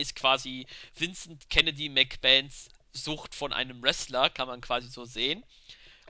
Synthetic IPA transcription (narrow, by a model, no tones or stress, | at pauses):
ɪst̚kv̥aːziv̥ɪnsn̩tkʰɛnədimɛkb̥ɛnts | z̥ʊxtfɔnʔa̰ɪnəmʁɛslɐkʰanmankv̥aːzizoːzeːən